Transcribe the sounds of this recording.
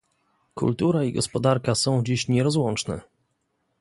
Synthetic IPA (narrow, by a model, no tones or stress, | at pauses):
kṵlt̪uɾaiɡɔspɔd̪aɾkasɔ̃w̃d͡ʑiɕɲɛɾɔzwɔ̃nt͡ʂnɛ̰